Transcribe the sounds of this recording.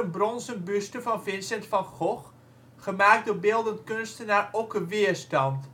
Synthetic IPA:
ənbrɔnzənbystəfɑnfɪnsɛntfɑnχɔχ | χəmaːk̚doːbɪlˠdəntkønstənaːrokəʋɪəstɑnt

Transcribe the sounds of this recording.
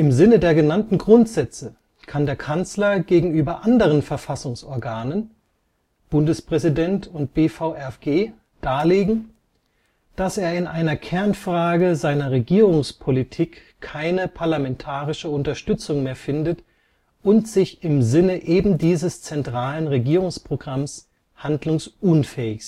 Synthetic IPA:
ʔɪmzɪnədeːɐɡənantn̩ɡʁʊntz̥ɛt͡sə | kʰandeːɐkʰant͡slɐɡeːɡŋ̩yːbɐʔandəʁ̞ənfɛɐfasʊŋsɔɐɡaːnən | b̥ʊndəspʁ̥ɛzidɛntʰʊnt̚b̥eːfaʊʔɛfɡ̥eː | d̥aːleːɡŋ̩ | d̥aseːɐɪnʔaɪnɐkʰɛɐnfʁ̥aːɡəzaɪnɐʁeɡiːʁʊŋspʰolitʰiːkʰː | aɪnəpʰaɐlamɛntʰaːʁɪʃəʊntɐʃtʏt͡sʊŋmeːɐfɪndət | ʔʊntz̥ɪçɪmzɪnəʔeːbm̩diːzəst͡sɛntʁ̥aːlənʁeɡiːʁʊŋspʁ̥oɡʁams | handlʊŋsʔʊnfɛːɪçs

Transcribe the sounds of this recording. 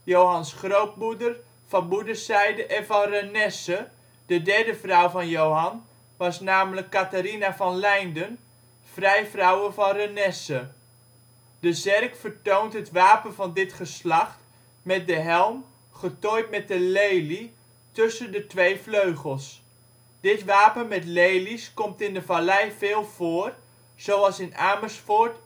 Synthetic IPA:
jowɦɑnsχrowp̚mudər | v̥ɑnbudəsɛjdəʔɛnvɑnrənɛsə | d̥ədɛɹdəvrʌwvɑnjowɦɑn | ʋɑsnaːmələkːataɾinavɑnlɛjndən | v̥rɛjvrʌwəvɑnrənɛsə | dəzɛrkfəɹtowntɦətʋaːpənvɑndɪtχəslɑχt | mɛt̚dəɦɛlˠm | χətojt̚mɛt̚dəlejli | tɵsəndətʋejfløɥχəlˠs | d̥ɪtʋaːpənmɛtlejliskɔmtɪndəvalɛjvɪːlˠv̥oːr | z̥owɑlˠsɪnaːməsfɔɹt

